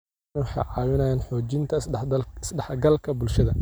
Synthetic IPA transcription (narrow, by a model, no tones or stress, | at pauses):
wɑħɑ̰jʕɑːwɪnɐjaːnħɔːt͡ʃɪnt̪ʰɐɐɪsɖɐħɡɐlkʰɐbʊlʃɐðɐ̰